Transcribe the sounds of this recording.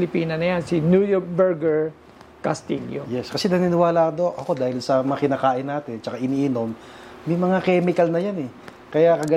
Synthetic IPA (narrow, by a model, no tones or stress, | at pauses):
lɪpiːnɐnɐjansinujok̚bɛɹɡɛɹ | kɐst̪ḭljo̰jɛskɐsɛnɐninɪwaːlaːd̪o̞ʔɐko̞d̪aːhɪlsɐmɐŋakɪnaːkaːʔɪnːaːt̪ɪnt͡ʃɐkaʔɪniːʔɪno̞mː | ɐjmɐŋakɛːmɪkɐlnɐjanɛ | kɐjakɐɡɐ